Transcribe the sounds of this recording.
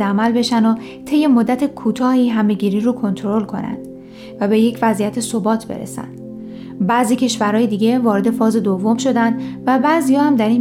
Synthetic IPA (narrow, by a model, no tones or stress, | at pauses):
æmælbe̞ʃæno | t̪ʰe̞jːe̞mod̪ːæt̪ʰekʰuːt̪ʰɒːhiːɦæme̞ɟiːɾiːɾokʰo̞nt̪ʰɾo̞lkʰo̞̰næ̰nd̪̥ | væbe̞je̞cʰvæzijæt̪ʰe̞sobɒːt̪ʰbe̞̰ɾḛsæ̰nd̪̥ | bæziːcʰe̞ʃvæɾɦɒːjed̪iːɟe̞vɒːɾe̞d̪e̞fɒːze̞d̪ovːo̞mʃo̞d̪ænd̪væbæzijɒːhæmd̪æɾiːn